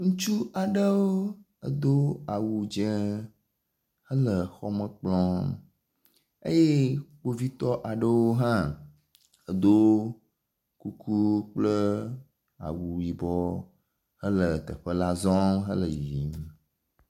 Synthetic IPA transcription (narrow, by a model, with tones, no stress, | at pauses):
ŋũ˦t͡ʃu˦a˨ɖə˦wo˦ | ə˦d̪o˦a˨wu˨d͡ʒɛ̃˦ | hə˦lə˨xɔ˦mə˦k͡plɔ̃˦ | ḛ˦je˦k͡po˦vi˦t̪ɔ˦ʔa˨ɖə˦wo˦ɦã˦ | ə˨d̪o˦ | ku˦kʰu˦k͡plə˦ | a̰˨wu˨ji˨bɔ˦ | hə˦lə˨t̪ə̰˨ɸə˦la˦zɔ̃˦mɦə̰˦lə˨ji˨m˨